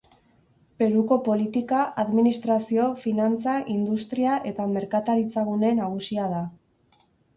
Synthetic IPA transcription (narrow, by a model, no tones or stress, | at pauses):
pe̞ɾuko̞po̞lit̪ikaʔaðminist̪ɾasio̞finant͡saʔind̪ust̪ɾiaʔe̞t̪ame̞ɾkat̪aɾit͡saɣune̞naɣ̞usiað̞a